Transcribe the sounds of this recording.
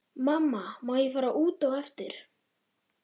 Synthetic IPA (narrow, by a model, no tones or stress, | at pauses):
mamːamawjɛfaːɾaʔuːt̪awɛft̪ɪɾ̥